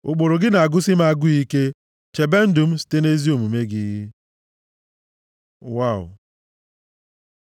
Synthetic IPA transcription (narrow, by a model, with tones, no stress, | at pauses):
o˨k͡po˨ɾo˨ɡɪ˦na˨a˨ɡʊ˦sɪ˦m˦a˦ɡʊ˦i˦ke˦ | t͡ʃe˨be˦n̩˦dʊ˨m̩˦si̥˨te˦ne˦zi˦o˨mu˨me˦ɡɪ˦ɣɪ˦ | wa˦˨ʊ̰˨